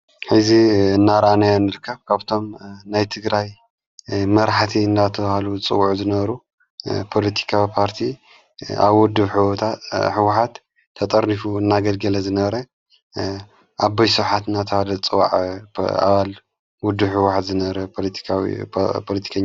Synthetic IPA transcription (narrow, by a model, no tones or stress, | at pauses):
ħɨziɨnːaɾʔanajonɨɾɨkʰːɐβkʰaβt̪ʰo̞mnajt̪ʰɨɡɾaj | mɐɾħat̪ʰiɨnd̪at̪ʰɐβahalut͡sʼɨ̰wːuʕuzɨnɐβɐɾu | pʰo̞lɐt̪ʰi̥kʰawipʰaɾt̪ʰi | a̰βwʊd̪ːɨβħɨwot̪ʰaħɨwːħat̪ʰː | ɐt̪ʼɐɾnifuɨnːaɡɐlɡɐlɐzɨnɐβɐɾɐ | ʔabːajsuħat̪ɨnat̪ʰɐhalɐt͡sʼɨwa̰ʕa̰βal | wɔd̪ːɨβħɨwːʊħat̪zɨnɐβɐɾɐpʰolt̪ʰi̥kw̰pʰolɐt̪ʰi̥kʰaɲː